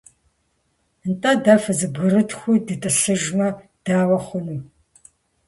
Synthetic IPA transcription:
ntʼɐdafɐzɨbɣɨɾɨtʰxʷʊdɨtʼɨɬɨʒmɐ | d̥aːwɐχʷʊnuː

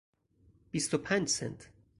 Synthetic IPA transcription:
b̥ist̪opʰænʲd͡ʒsɛ̰nt̪ʰ

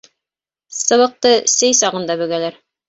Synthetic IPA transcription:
sɤ̆βɤ̆q̚t̪ɤsɘjsɑʁɤ̆nd̪ɑbɵ̆ɡælæɾ

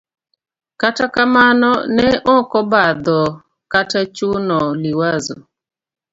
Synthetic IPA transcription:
katakamanɔnɛʔɔkɔbad̪ɔ | katat͡ʃunɔliwazɔ̰

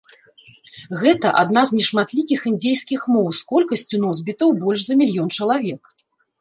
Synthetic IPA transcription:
ɣɛt̪ɐʔad̪naznʲɛʂmat̪lʲikʲixɨnd͡zʲɛjskʲixmɔwskɔlʲkɐsʲt͡sʲunɔzbʲit̪ɐwbɔlʲʂzɐmʲilʲjɔnt͡ʂɐlˠavʲɛk

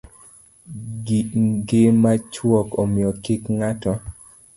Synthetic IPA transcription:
ɡɪmat͡ʃwɔkomɪɔkikŋatɔ

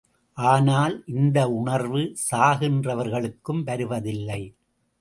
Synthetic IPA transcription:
ʔaːnaːlʔɪnd̪ɐʊɳɐɾʋɯsaːɣɪndrɐʋɐɾɣɐɭɯkːɯmʋɐɾɯʋɐðɪlːɐɪ

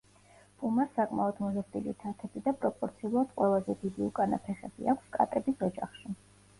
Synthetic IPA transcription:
b̥umasakʼmaɔd̪mɔzasd̪ʼilḭt̪ʰat̪ʰɛbid̪apʼɾɔpʼɔɾt̪sʰiulˠad̪̥̚qʼwɛlˠazɛd̪id̪iukʼanapʰɛχɛb̥ḭakʷʰskʼa̰t̪ʼɛbisɔd͡ʒaχʃi

